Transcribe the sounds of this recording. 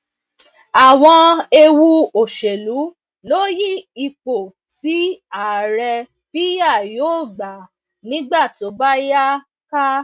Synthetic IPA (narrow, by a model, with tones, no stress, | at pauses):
a˨w̃ɔ̃˧e˧wu˧o˨ʃɛ˨lu˨˦ | lo˦ji˦i˧k͡po˨ | ti˨˦a˨ɾɛ˧ | pi˦ja˦˨joː˨˦˨ɡ͡ba˨ | nĩ˨˦ɡ͡ba˦˨to˨˦ba˦ja˦ | ka˦